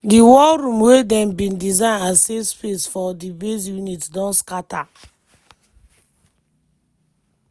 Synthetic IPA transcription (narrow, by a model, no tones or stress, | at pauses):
diwɔlɾũmwedɛ̃mbĩndizãɪ̃nasespesfɔdibes̬junitdɔ̃nskatʰa